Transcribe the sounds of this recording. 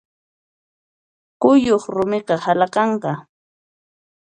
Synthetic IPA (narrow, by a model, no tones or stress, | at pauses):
kʊjoχɾʊmɪqɑhalɑqɑɴqɑ